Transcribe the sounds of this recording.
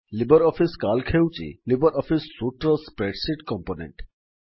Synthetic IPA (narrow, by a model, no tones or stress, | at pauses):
libɔɾɔfʰiskalkʰewt͡ʃḭlibɔɾɔfʰisːuʈɾɔspɾeʈsiʈkɔmponḛɳʈ